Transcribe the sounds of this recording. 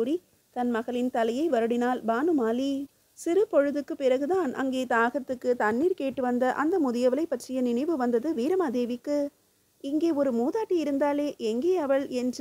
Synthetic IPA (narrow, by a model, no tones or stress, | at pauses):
uɾi | t̪ɐnmɐɣɐɭɪnt̪ɐlɐjɐɪʋɐɾɯɽɪnaːlbaːnɯmaːli | sɪɾɯpɔɻɯðɯkːɯpːɪrɐɣɯðaːnʔɐ̰ŋɡeːt̪aːɣɐt̪ːɯkːɯt̪ɐnːiːɾkeːʈːɯʋɐnd̪ɐʔɐnd̪ɐmʊðɪjɐʋɐlɐɪpːɐʈrɪjɐnɪnɐɪʋɯʋɐnd̪ɐðɯʋiːɾɐmaːd̪eːʋɪkːɯ | ɪŋɡeːɔɾɯmuːðaːʈːijɪɾɯnd̪aːleːʔɛŋɡeːɐʋɐɭɛndr